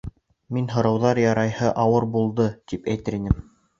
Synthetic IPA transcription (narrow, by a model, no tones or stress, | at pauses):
minɦŏɾɑwðɑɾjɑɾɑjhɤʔɑwɤɾbulˠd̪ɤt̪ipæjt̪ɘ̆ɾinɘm